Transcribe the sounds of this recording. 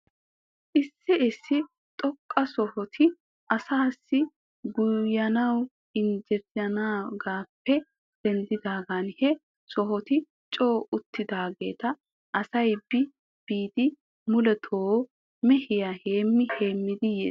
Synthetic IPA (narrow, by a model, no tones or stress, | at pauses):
ʔɪsːɪɪsːɪ | t̪ʼɔkʼːɐsɔhɔt̪ʰɪ | ʔɐsaːsːɪ | ɡʊjɐnɐw | ɪnd͡ʒɛɾɪɐnaːɡaːpːɛ | d̪̥ɛnd̪ɪd̪aːɡanhɛ | sɔɦɔt̪ɪ | t͡ʃʼoːʊt̪ːɪd̪aːɡe̞ːt̪ɐ | ʔɐsɐjb̥ɪ | b̥iːd̪ɪ | mʊlɛt̪ʰoː | mɛhɪjaheːmːɪhe̞ːmːɪd̪ɪjḛːs